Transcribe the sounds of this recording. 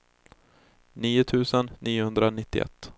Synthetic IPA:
niːʊt̪ʰʉ̟ːsənːiːʊhɵnd̪ɾanɪt̪ːɪʔɛ̰t̪ː

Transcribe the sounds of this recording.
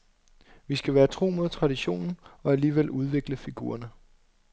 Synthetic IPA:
ʋisɡ̥æʋæːɐt͡sʰʁo̝̰ːmoðˠt͡sʰʁɑ̈d̥iɕo̝̰ːnn̩ɒ̽æliːʋel̰ʔuð̞ˠʋe̝ɡ̥ləfiɡ̥ṵːɐnə

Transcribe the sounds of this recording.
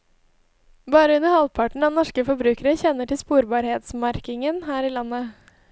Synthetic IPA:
bɑːɾəʉnəɾhɑlpʰɑʈɳ̩ɑːnɔʂkəfɔɾbɾʉːkəɾəçɛnːəʈʰɪlspuːɾbɑːɾheːt̪smɑɾkɪŋənɦæːɾiːlɑnːə

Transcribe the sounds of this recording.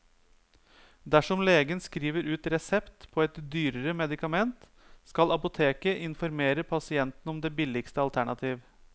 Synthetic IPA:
d̪æʂɔmleːɡənskɾiːʋəɾʉːt̪ɾɛsɛpt̪pʰɔɛt̪d̪yːɾəɾəmɛd̪ɪkɑmɛnt̪ | skɑlɑpʊt̪ʰeːkəʔɪnfɔɾmeːɾəpʰɑsɪɛnt̪n̩ɔmd̪ɛbɪlːɪkst̪əɑlt̪ʰæɳɑt̪ʰiːʋ

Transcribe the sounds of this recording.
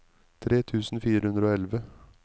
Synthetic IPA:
t̪ʰɾeːt̪ʰʉːsn̩fiːɾəhʉnd̪ɾəoːɛlʋə

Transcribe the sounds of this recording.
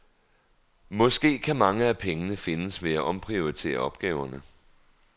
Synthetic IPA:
mɒ̽sɡ̥e̝̰ːkʰæmɑ̈ŋəæpʰeŋənəfe̝nəsʋe̝æʔɒ̽mpʰʁio̝ʁit͡sʰe̝̰ːɐɒ̽b̥̚ɡ̥ɛːʊɐnə

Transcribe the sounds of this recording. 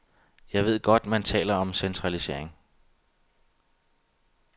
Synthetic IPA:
jɑ̈ɪʋe̝ð̞̰ˠɡ̥ɒ̽d̥mænt͡sʰɛ̰ːlɐɒ̽msent͡sʰʁɑ̈lise̝ɐ̰e̝ŋ

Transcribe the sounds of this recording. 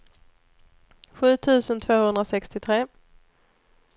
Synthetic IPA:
ɧʉ̟ːt̪ʰʉ̟ːsənt̪ʰvoːhɵnd̪ɾasɛkst̪ɪt̪ʰɾeː

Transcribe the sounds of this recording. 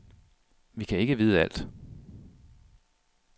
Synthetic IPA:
ʋikʰæe̝ɡ̥əʋiːð̞ˠæl̰d̥

